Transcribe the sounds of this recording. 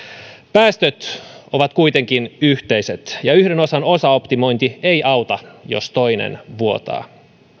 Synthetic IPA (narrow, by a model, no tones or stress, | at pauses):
pæːst̪øt̪o̞ʋɑt̪kujt̪eŋk̟inyht̪e̞iset̪jɑyhdeno̞sɑno̞sɑopt̪imo̞jnt̪iejʔɑwt̪ɑjo̰st̪o̞jnḛnʋuo̞t̪ɑ̰ː